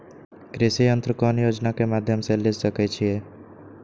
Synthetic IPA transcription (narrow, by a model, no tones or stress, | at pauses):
kɾesiənt̪ɾəkɔnjod͡ʒnakemad̪ʱjəmsẽled͡ʒsəkɛt͡ʃʰije